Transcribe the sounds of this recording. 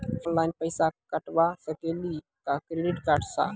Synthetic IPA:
ɔnlaːɪnpəjsakəʈʋasəkeli | kakɾeɖiʈkaʈsa̰

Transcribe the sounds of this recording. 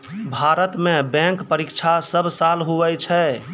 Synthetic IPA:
bʱaɾət̪mebɛ̃ŋkpəɾikt͡ʃʰasəbsalɦuʋɛt͡ʃʰɛ

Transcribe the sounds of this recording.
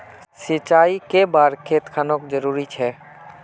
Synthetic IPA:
sɪt͡ʃaːikebaːɾkʰeːt̪kʰaːnokd͡ʒəɾuːɾit͡ʃʰɛː

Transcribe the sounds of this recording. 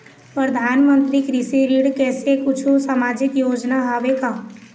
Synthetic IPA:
pɾəd̪ʱaːnmə̃nt̪ɾikɾɪsiɾiɽkɛːsekʊt͡ʃʰusəmaːd͡ʒɪkjoːd͡ʒnaɦaːʋekaː

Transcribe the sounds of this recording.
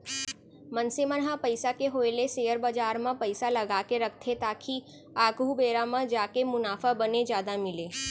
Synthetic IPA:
mənsemənɦapəɪsakeɦoːɪleseːəɾbad͡ʒaːɾmãpəɪsalɐɡaːkeɾɐk̚ʰt̪ʰet̪aːkʰi | aːɡubeːɾamãd͡ʒaːkemʊnaːfabəned͡ʒjaːd̪amɪleː

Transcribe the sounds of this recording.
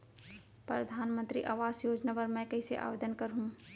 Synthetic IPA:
pɾəd̪ʱaːnmə̃nt̪ɾḭʔaːʋaːzjoːd͡ʒnapəɾmɛ̃kɐɦiseʔa̰ːʋeːd̪ənkɐɾɦũ

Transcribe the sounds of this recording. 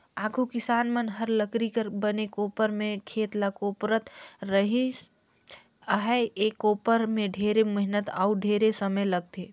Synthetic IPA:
aːɡʰʱukɪsaːnmənɦəɾləkɾikəɾbənekoːpəɾmẽkʰeːt̪lakoːpɾət̪ɾəɦi | ɦɛeːkoːpəɾmẽɖʱeːɾeməɦnət̪auɖʱeːɾesəməjləɡ̚t̪ʰeː

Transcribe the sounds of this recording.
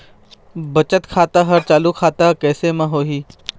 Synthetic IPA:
bɐt͡ʃət̪kʰaːt̪aɦɐɾt͡ʃaːlukʰaːt̪akɛːsemãɦoːɦiː

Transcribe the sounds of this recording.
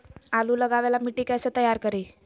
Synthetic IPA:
aluːləɡaʋalamiʈiːkajsət̪əjaɾkəɾi

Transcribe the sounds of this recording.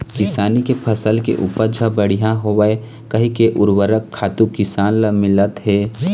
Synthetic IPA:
kɪsaːnikepʰəsəlkḛʔuːpəɾd͡ʒʱəbəɽ̤ijãɦoʋəe | kɐɦikeʔʊɾwəɾəkʰːaːt̪ukɪsaːnləmɪlət̪ɦɛː

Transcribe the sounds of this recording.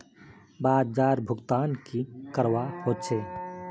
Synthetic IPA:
baːd̪̚d͡ʒaːɾbʱʊɡt̪aːnkikəɾwahoːt͡ʃʰeː

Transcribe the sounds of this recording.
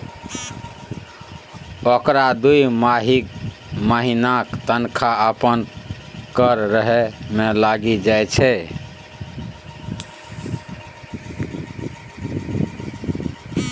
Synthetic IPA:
okɾad̪ujmaɦik | məɦinakt̪ənkʰaəpən | kəɾɾəɦemelaɡid͡ʒajt͡ʃʰɛ

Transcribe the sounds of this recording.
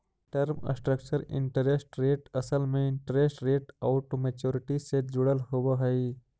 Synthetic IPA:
ʈəɾmə̰sʈɾək̚t͡ʃəɾɪ̰̃ɳʈəɾesʈɾeːʈɐsəlmẽɪ̃ɳʈəɾeːsʈɾeːʈaʊʈomeːt͡ʃoːɾɪʈised͡ʒʊɽəlɦobəɦəj

